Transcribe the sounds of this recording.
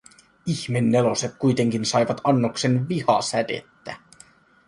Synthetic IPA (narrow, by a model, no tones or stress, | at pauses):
içme̞nːe̞lo̞se̞t̪̚kujt̪e̞ŋk̟insɑjʋɑt̪ɑnːokse̞nʋihɑsæde̞̰t̪ːæ